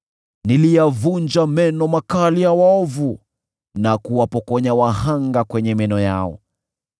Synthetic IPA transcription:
nilijavuɲd͡ʒamɛnɔmakalijawaɔvu | nakuwapɔkɔɲawahaŋɡakwɛɲɛmɛnɔja̰ɔ̰

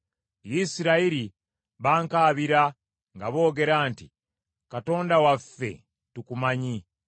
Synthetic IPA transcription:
jisiɾaiɾi | βaːŋkaːβiɾa | ŋɡaβo̞ːɡe̞ɾaːntḭ | kato̞ːndawafːe̞̰ | tukumaɲi

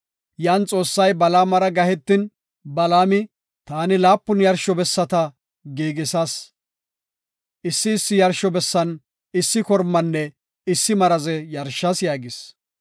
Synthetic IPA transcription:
jaːnt͡sʼo̞ːsːɐjbɐlaːmɐɾɐɡɐhɛt̪ːɪn | bɐlaːmɪ | t̪aːnɪlaːpːʊnjɐɾʃɔbɛsːɐt̪ɐ | ɡiːɡɪsas | ʔɪsːɪːsːɪjɐɾʃɔbɛsːɐn | ɪsːɪkɔɾmːɐnːɛ | ɪsːɪmɐɾɐzɛjɐɾʃːɐsjaːɡɪs

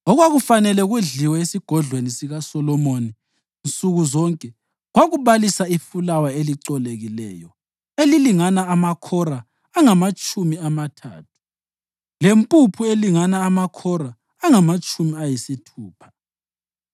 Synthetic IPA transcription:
ɔɣwaɣufanɛlɛɣuɮiwɛesiɡ̥ʱɔɮwenisiɣasɔlɔmoni | nt͡sʼuɣuzɔŋkʼɛ | ɣwaɣuβalisaifulawaeliǀɔleɣilɛ̰ːjɔ | eliliŋanaːmakʰɔɾaː | ŋamat͡ʃʼumiamatʰa̰ːtʰu̥ | lempʼupʰueliŋanaːmakʰɔɾaː | ŋamat͡ʃʼumiajisitʰuːpʰḁ

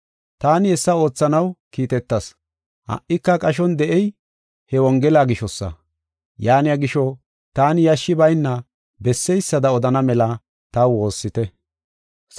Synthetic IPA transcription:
t̪aːnɪɛsːɐo̞ːt͡sːɐnɐwkiːt̪ɛt̪ːɐs | hɐ̰ʔːɪkːɐkʼɐʃ̬ɔnd̪ɛʔɛj | hɛwɔŋɡɛlaːɡɪʃɔsːɐ̰ | jaːnɪjaɡɪʃɔ | t̪aːnɪjɐʃːɪbɐjnːɐ | bɛsːɛjsːɐd̪ɐɔd̪ɐnɐmɛlɐ | t̪ɐwo̞ːsːɪt̪ɛ

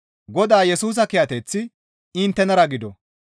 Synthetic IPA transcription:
ɡɔd̪aːjɛsuːs̬ɐkɪjɐt̪ɛt͡sːɪ | ɪnt̪ːɛnɐɾɐɡɪd̪ɔ

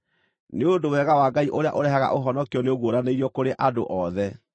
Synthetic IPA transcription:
neodowɛɣawaɡaiʔoɾea̰ʔoɾɛɦaɣa̰ʔoɦɔnɔkiɔneoɣwoɾaneiɾiɔkoɾeʔado̰ʔɔðɛ

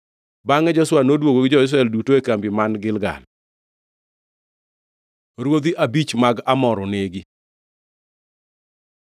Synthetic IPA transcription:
baŋɛd͡ʒɔswanodwoɡoɡɪd͡ʒɔɪs̬ɾaɛldutoekambimanɡɪlɡa̰l | ɾwod̪iʔabit͡ʃmaɡamɔɾɔneɡi

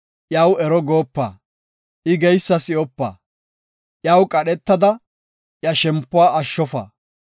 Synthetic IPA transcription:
ʔjɐwɛɾɔɡoːpːa̰ː | ʔɪɡɛjsːɐsɪɔpːa̰ː | ʔjɐwkʼɐɗɛt̪ːɐd̪ɐ | ʔjɐʃɛmpːʊwaːʔɐʃːɔfɐ̰ː

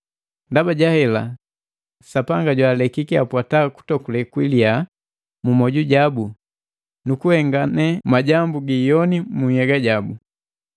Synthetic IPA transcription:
ndabaɟahɛla̰ | sapaŋɡaɟwaːlɛkikiapwataku̥tɔkulɛkwilia | mumɔɟuɟabu | nukuhɛŋɡanɛmaɟambuɡijɔnimuɲhɛɡaɟabu

